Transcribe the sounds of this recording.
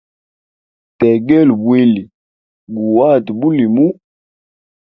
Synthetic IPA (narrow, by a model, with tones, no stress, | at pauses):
tɛ˨ɡɛ˦lbwe˦li˨ | ɡu˨wa˦˨dbu˦li˨mu˦